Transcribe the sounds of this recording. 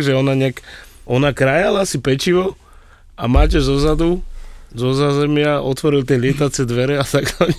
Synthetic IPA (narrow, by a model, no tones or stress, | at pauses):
ɡʒɛɔnaɲɛakɔnakɾajalaasipɛt͡ʃiʋɔ | amaːcɛzɔzad̪uzɔzaːzɛmɪaʔɔt̪ʋɔɾilt̪ɛlɪɛt̪at͡sɛd̪ʋɛɾɛat̪akaɲ